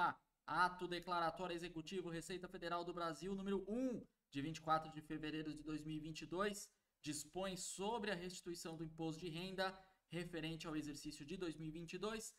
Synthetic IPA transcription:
a | at̪ʊd̪eklaɾat̪ɔɾɐezekut͡ʃivʊɦesejt̪ɐfed̪eɾawd̪ʊbɾaziwnũmeɾʊʔũ | d͡ʒɪvĩt͡ʃɪ̥kwat̪ɾʊd͡ʒɪfeveɾejɾʊd͡ʒɪd̪ojzmiwivĩnt͡ʃɪd̪ojs | d͡ʒispõj̃sobɾɪɐɦest͡ʃi̥t̪uisɐ̃w̃d̪ʊĩpost̪ʊd͡ʒɪɦẽnd̪ɐ | hefeɾẽnt͡ʃɪawezeɾsisjʊd͡ʒɪd̪ojzmiwivĩnt͡ʃid̪ojs

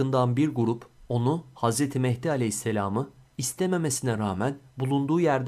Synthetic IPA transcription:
ɯnd̪anbiɾɡuɾupo̞nuhazɾet̪ʰimɛçd̪ialʲɛhisːe̞lʲaːmɯist̪ʰeme̞me̞sinɛɾaːmænbulˠund̪uːjæɾd̪

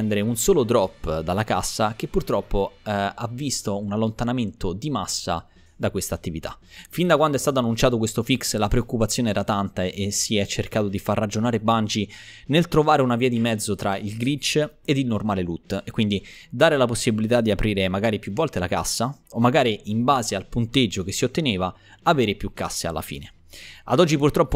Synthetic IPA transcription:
ɛnd̪eɾeunsoːlod̪ɾɔpːd̪alːaka̰sːakepːurt̪ɾɔpːoavist̪ounalːont̪anament̪od̪imasːa̰ | d̪akwest̪aːt̪ːivit̪a̰find̪akwand̪oɛst̪at̪oanːunt͡ʃaːt̪̬ok̬west̪ofikslapɾeokːupat̪sːjoːneɛːɾat̪ant̪aʔesiɛt͡ʃːerkaːt̪od̪ifarːad͡ʒonaːɾeband͡ʒinelt̪ɾovaːɾeunaviːad̪imɛd̪zːot̪ɾailɡɾit͡ʃːed̪ilnormaːlelut̪ːekːwind̪id̪aːɾelaposːibilit̪ad̪ːiapɾiːɾemaɡaːɾipjuvːɔlt̪elaka̰sːaomːaɡaːɾiimbaːzealpunt̪ed͡ʒːok̟esːiot̪ːeneːva | aveːɾepjukːa̰sːea̰lːa̰fḭːne | a̰d̪ɔd͡ʒːipurt̪ɾɔpːo

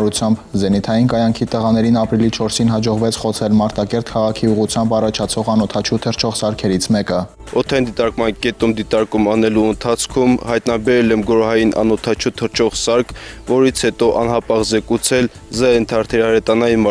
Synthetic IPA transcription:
ɾut͡sʰjɑmbzɛnit̪ʰɑjinkɑjɑŋkʰit̪əʁɑn̪ɛɾinɑpɾilit͡ʃʰɔɾsinɦɑd͡ʒɔʁvɛt͡sʰχɔt͡sʰɛlmɑɾt̪ɑkɛɾt̪kʰɑʁɑkʰiuʁut͡sʰjɑmbɑrɑt͡ʃʰɑt͡sʰɔʁɑnɔt̪ʰɑt͡ʃʰut̪ʰəɾt͡ʃʰɔʁsɑɾkʰɛɾit͡sʰmɛkə | ɔt̪ʰɑind̪it̪ɑɾkmɑnkɛt̪umd̪it̪ɑɾkumɑnɛluənt̪ʰɑt͡sʰkʰumhɑjt̪nɑbɛɾɛlɛmɡɔɾɦɑjinʔɑ̰nɔt̪ʰɑt͡ʃʰut̪ʰəɾt͡ʃʰɔʁsɑɾkʰvɔɾit͡sʰhɛt̪ɔʔɑnɦɑpɑʁzɛkut͡sʰɛl | zɛjɛnt̪ʰɑɾt̪ʰɛɾɑɾɛt̪ɑnɑjinm

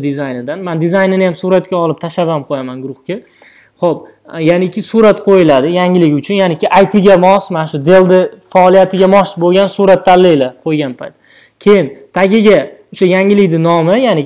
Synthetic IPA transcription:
d̪ɪzajnɪd̪anmand̪ɪzajnɪnɪjamsuɾat̪kʲaɒlˠɪp̚t̪ʰaʃabamqʰojamanɡʊɾʊχkʲa | χop | janɪkʲɪsuɾat̪qʰojɪlad̪ɪjaŋʲɪlɪɡʲʊt͡ʃʰʊnjanɪkʲɪʔajt̪ʰɪɡʲamɒsmanaʃʊd̪e̞lˠd̪ɪfaːlˠijat̪ʰɪɡʲamɒʃboɡʲansuɾat̪ʰːalːijlaqʰojɡʲanpʰajt̪ | kʲʰe̞jɪnt̪ʰaɡʲɪɡʲaʊʃajaŋʲɪlɪkʲd̪ɪnɒmɪjanɪ

